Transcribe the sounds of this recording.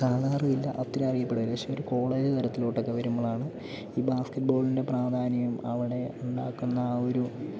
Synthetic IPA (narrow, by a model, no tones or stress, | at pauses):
kaːɭaːrijilːɐ̰ʔɐt̪ːiɾɐɐrijɐpːe̞ɽɐʋileʂɐoɾuko̞ːɭe̞ːd͡ʑɨt̪ʰɐɾɐt̪ːiloʈːo̞kːeʋɐɾumːɐɭaːɳɨ | iːbaːskɐʈ̚bo̞ːɭinde̞praːd̪ʱaːnjɐjumɐ̰ʋiɽe̞uɳɖaːkːunːɐo̞ɾu